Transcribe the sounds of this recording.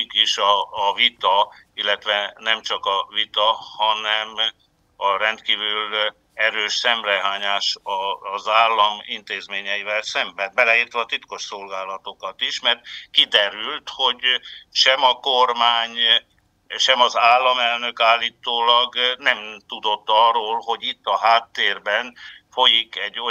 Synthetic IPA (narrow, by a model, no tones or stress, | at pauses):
kiʃɒːvit̪ɒ | ilːɛt̪ʋɛnɛmt͡ʃɒkɒvit̪ɒhɒnɛm | ɒɾɛnt̪kiːvyl | ɛɾøːʃsɛmrɛɦaːɲaːʃɒzaːlːɒmint̪eːzmeːɲɛjivɛlsɛmbɛnbɛlɛiːrt̪ʋɒːt̪it̪ko̞ʃso̞lɡaːlɒt̪o̞kɒt̪iʃmɛrt̪kid̪ɛɾylt̪ho̞ɟʃɛmɒkormaːɲ | ʃɛmɒzaːlːɒmɛlnø̞kaːlːiːt̪oːlɒɡnɛmt̪ud̪o̞t̪ːɒroːlɦo̞ɟit̪ːɒɦaːt̪ːeːrbɛnfo̞jikɛɟːo